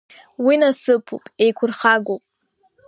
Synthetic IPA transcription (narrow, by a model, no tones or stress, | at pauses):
winasɨpʰṵpʼe̞jkʷʰʊrχaɡopʼ